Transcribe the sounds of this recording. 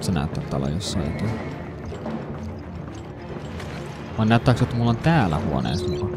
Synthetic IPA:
senæ̰ˑyt̪ːæt̪t̪ɑ̰lo̰josːɑˑjo̰t̪ɑˑ | ʋɑˑnæˑyt̪ːæːˑksjot̪ːæmulːont̪æːlːæ̰huo̰nḛːsɑmukɑ

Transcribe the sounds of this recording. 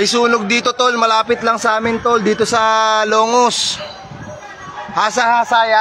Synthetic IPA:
ʔɐjsuːnoɡ̚d̪iːt̪o̞t̪o̞lmɐlaːpɪt̪lɐŋsʔaːmɪnt̪o̞ld̪iːt̪o̞sɐloːŋos | haːsɐhaːsaːja

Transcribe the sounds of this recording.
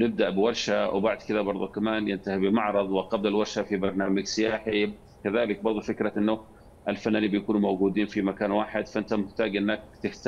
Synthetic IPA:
nɪb̚d̪aʔbɪwɑɾˤʃawbaʕd̪kɪd̪abɑɾˤðˤukamaːnjɪnt̪ahibɪmɑʕɾˤɑðˤwɪqɑblalwɑɾˤʃafibɑɾˤnaːmaɡsɪjaːħi | kaðaːlɪk̚bɑɾˤðˤufɪkɾaʔɪnːʊ | ʔɪlfanːaːnibɪjkuːnumowɡuːd̪iːnfimakaːnwaːħɪd̪faʔɪnt̪amʊħt̪aːɡʔɪnːak̚t̪ɪħt̪

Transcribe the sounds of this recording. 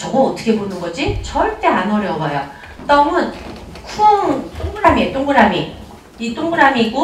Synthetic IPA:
t͡ɕʌɡʌːt͈ʰɯ̥kʰe̞bonɯnɡʌd͡ʑit͡ɕʌɭt͈e̞anʌɾjʌbʌjo | t͈ʌmɯn | kʰuʌŋtʰoŋɡɯɾamet͈ʰoŋɡɯɾami | it͈ʰoŋɡɯɾamiɡo

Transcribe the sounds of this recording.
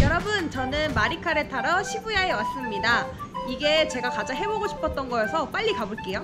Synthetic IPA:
jʌɾʌbɯnt͡ɕʌnɯnmaɾikʰaɾetʰaɾʌɕʰibujaewas͈ɯmɲidaiɡe̞t͡ɕe̞ɡakad͡ʑaɦe̞boɡoɕʰi̥pʰʌt̚t͈ʌnɡʌesʰʌp͈aʎːikaboɭk͈e̞jo

